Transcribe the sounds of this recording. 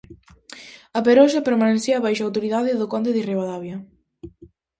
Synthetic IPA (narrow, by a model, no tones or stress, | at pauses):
ɐpeɾɔʃɐpeɾmaneθiɐːβajʃaːwt̪oɾiðaðɪðʊkɔnd̪eðireβaðaβjɐ